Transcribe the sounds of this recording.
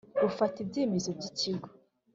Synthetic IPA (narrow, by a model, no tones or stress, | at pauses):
bufatibɟeːmezobɟiciɡo̥